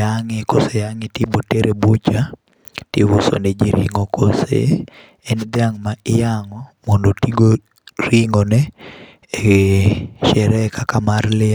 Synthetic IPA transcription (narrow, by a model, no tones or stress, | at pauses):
aŋɪkosɛjaŋɪtiboteɾʔebut͡ʃa | tɪwuso̰nɛd͡ʒiɾḭŋokosḛː | nd̪ɪaŋmaɪjaŋɔmondotiɡo | ɾiŋɔnɛ | ʃɛɾɛkakamarlɪa